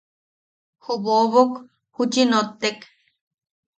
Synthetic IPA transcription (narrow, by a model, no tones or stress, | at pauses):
hoʔβoβok | hut͡ʃinot̪ːek